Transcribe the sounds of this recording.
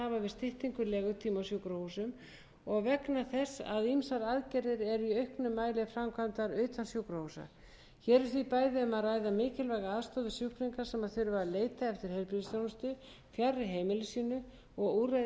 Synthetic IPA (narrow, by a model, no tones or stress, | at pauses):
avavɪðst̪ɪht̪iŋkʏlɛːɣʏt̪ʰiːmasjuwkɾahusʏm | ɔɣvɛknaθɛsa̰ðimsaɾaðcɛɾɪɾɛɾiœɥhknʏmːaːjlɪfɾamkʰvamt̪aɾʏːt̪ʰansjukɾahusa̰ | çɛːɾɪɾθvipaːjðɪʏmaðraːjðamɪːcɪlvaːjɣaaðst̪ɔwðɪsjuhkɾiŋkaɾ̥sɛmaðθʏɾʏvaɾaleːjt̪aɛft̪ɪɾ̥hejɾpɾiðsjawnʏst̪ʏ | fjarːɪɦeːjmɪlʏsiːnʏ | ɔɣura